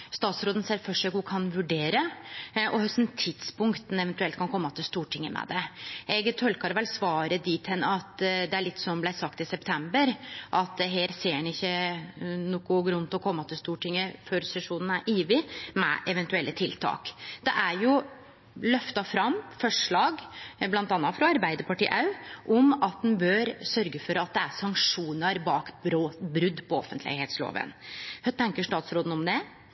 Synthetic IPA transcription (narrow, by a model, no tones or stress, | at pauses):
st̪ɑːt̪sɾoːd̪ən̩seːɾfɔʂøkʊkʰɑnʋʉɖeːɾəʔɔhœsnt̪ʰːɪd̪spʊŋkt̪n̩ɛʋɛnt̪ʉɛlt̪kʰɑnkʰɔmːɑt̪ʰɪlst̪uːʈʰɪŋːəmʔɛ̰d̪ɛʔɛɡt̪ʰɔlkɑɾʋɛlsʋɑːɾəd̪iːt̪ʰhɛnːɑt̪d̪ɛæɭɪt̪ːsɔmblæɪsɑkt̪ɪsɛpt̪ʰɛmbəɾʔɑt̪ɦeːɾseːnɪçːə | nuːkʊɡɾʉnt̪ɔkʰɔmːɑt̪ʰɪlst̪uːʈɪŋːəføɾsɛʂuːnən̩æɾʔiːʋɪmɛ̰ʔɛʋɛnt̪ʉɛlːət̪ʰɪlt̪ʰɑ̰ːkd̪̥ɛʔæɾjʊ | lœft̪ɑfɾɑmːfɔʂɭɑːɡblɑnt̪ɑːnɑt̪fɾɑɑɾbæɪd̪əɾpɑʈḭːʔɑʉʔɔmɑt̪̚d̪ɛnbøːɾsœɾɡəfɔɾɑt̪̚d̪ɛæsɑŋkʂuːnəɾbɑːkbɾoːbɾʉd̪ːpʰɔɔfənt̪lɪ̰heːt̪slo̰ːʋə̰nht̪ʰɛŋkəʂʈ̪ɑːt̪sɾoːd̪n̩ɔmd̪ɛ